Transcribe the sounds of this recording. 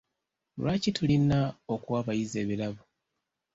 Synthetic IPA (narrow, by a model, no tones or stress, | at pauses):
lwaːcitulinːaokwwaːβajize̞ːβilaβu